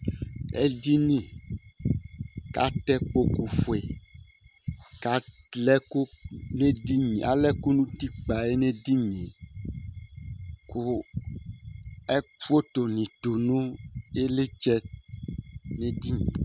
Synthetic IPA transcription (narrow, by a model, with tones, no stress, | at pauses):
ɛ̰˦di˦nĩ˦ | ka̰˦t̪ɛ˦k͡po˦ku˨fo˨e˨ | ka˨lɛ˦ko˦ne˦di˦ɲĩ˨a̰˨lɛ˦ku˦nũ˦t̪i˦k͡pa˨e˦nẽ˦di˦ɲĩ˨ | ku˦ | ɛ˦fo˦t̪o˨nĩ˨t̪o˨nũ˦e˦le˦t͡ʃɛ˦ | ne˦di˦ɲḭ̃˨